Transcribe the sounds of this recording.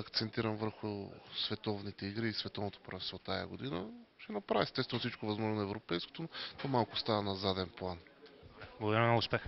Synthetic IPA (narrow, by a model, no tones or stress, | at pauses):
ɐkt̪sɛnt̪iɾəmvəɾxʊsvɛt̪ɔvnit̪ɛiɡɾiːsvɛt̪ɔvnot̪o̥pɾɐɛst̪vot̪ajɐ̰ɡod̪inəʃɛnɐpɾavʲɛːst̪ɛst̪vɛnosit͡ʃkovɐzmɔʒnonɐɛvɾopɛjsko̥t̪ont̪omalˠkʊst̪avɐnɐzad̪ɛnplˠanablˠɡd̪ɾimnoʊspɛx